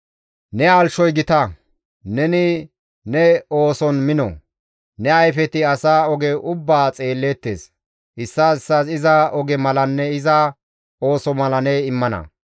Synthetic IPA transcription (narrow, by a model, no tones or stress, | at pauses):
nɛalʃɔjɡɪt̪ɐ | nɛnɪ | nɛo̞ːsɔnmɪnɔ̰ | nɛɐjfɛt̪ɪɐsaːɔɡɛʔʊbːaːt͡sʼe̞ːlːet̪ːeːs | ɪsːaɪsːasɪzɐɔɡɛmɐlɐnːɛɪzɐ | o̞ːsɔmɐlɐnɛɪmːɐnɐ̰